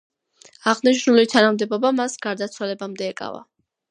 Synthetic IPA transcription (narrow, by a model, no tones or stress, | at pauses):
aʁniʃnulit̪ʰanamd̪ɛbɔbamasɡ̥aɾd̪at̪sʰwalɛbamd̪ɛːkʼa̰va̰